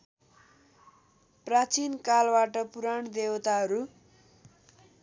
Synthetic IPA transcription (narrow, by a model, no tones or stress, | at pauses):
prat͡sinkalbaʈʌpuɾaɳd̪ewt̪aɦʌɾu